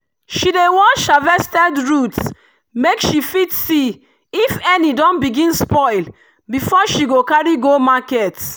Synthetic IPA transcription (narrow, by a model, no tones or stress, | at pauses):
ʃidewɔʃavɛstɛdɹuts | mekʃifitsi | ifɛnidɔ̃nbiɡĩnspɔɪl | bifɔʃiɡokaɹiɡomakɛt